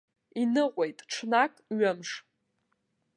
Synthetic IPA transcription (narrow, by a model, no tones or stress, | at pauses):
inɨʁʷe̞jtʼʈ͡ʂʰnakʼɥɨmʂ